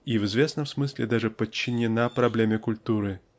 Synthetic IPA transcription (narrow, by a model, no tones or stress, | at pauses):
ivɨzvʲesnɐmsmɨsʲlʲɪd̪aʐɨpət͡ɕːɪnʲɪnapɾablʲemʲɐkulʲt̪uɾɨ